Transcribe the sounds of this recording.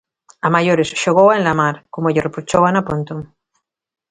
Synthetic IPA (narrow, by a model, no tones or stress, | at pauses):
amaʝoɾesʃoɣowaenlamaɾkomoʎerepɾut͡ʃowanapont̪oŋ